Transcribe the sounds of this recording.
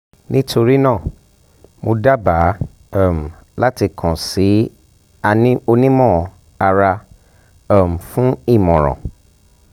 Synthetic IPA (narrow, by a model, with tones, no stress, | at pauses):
nĩ˦tʰo˧ɾi˦nãː˦˨ | mo˧da˦ba˨˦˨ | m̩˨la˦ti˧kʰã˨si˨˦ | a˧˦o˧nĩ˦mɔ̃˦˨ | a˧ɾa˧ | ɔ˦˨m̩˨fũ˦i˦˨mɔ̃˨ɾ̃ɔ̰̃˨